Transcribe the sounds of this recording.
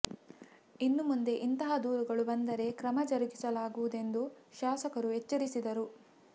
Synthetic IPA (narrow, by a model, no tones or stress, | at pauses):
inːumund̪e̞ʔint̪ɐɦɐd̪uːɾuɡɐɭubɐnd̪ɐɾe̞kɾɐmɐd͡ʒɐɾɐɡisɐlaːɡuʋud̪e̞nd̪uʃaːsɐkɐɾuɦet͡ʃːɐɾisid̪ɐɾu